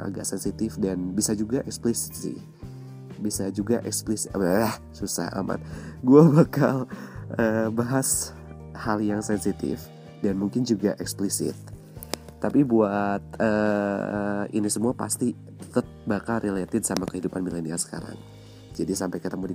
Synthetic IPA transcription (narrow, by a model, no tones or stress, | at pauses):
ʔa̰ɡa̰ʔsɛnsit̪ɪfdanbisad͡ʒuɡaʔɛksplisɪ̥t̪sɪ̰h | bisad͡ʒuɡaʔɛksplisɪh | susa̰ha̰ma̰t̪̚ɡuabakaləbaɦas | haljaŋsɛnsit̪ɪ̰f | danmuŋkɪnd͡ʒuɡaʔɛksplisɪ̰t̪̚ː | apibuat̪ə | ḭnisəmuapa̰st̪i | t̪ət̪̚bakalɾelet̪ɪdsamakəhidupanmileniasə̥ka̰ɾa̰ŋ | d͡ʒadisampajkət̪əmudi